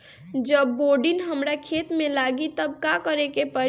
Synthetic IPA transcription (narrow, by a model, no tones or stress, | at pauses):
d͡ʒəbːoɖinɦəmɾakʰet̪melaɡit̪əb̚kakəɾekepə